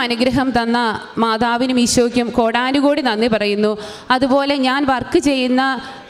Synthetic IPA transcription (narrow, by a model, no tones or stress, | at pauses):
ɐnuɡɾɐɦɐmt̪ɐnːɐ | maːðaːʋinumiɕwɐʋikʲːumko̞ːɽaːnuɣoːɽinɐnːɨpɐrɐjunːu | ɐðubo̞ːle̞ɲaːnʋɐrkɨt͡ɕe̞jːunːɐ